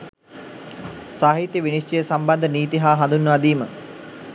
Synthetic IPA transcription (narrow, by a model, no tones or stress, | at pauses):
saːɦit̪jəʋinisʈijəsamband̪əniːt̪iɦaːɦãnd̪unːəʋad̪iːmə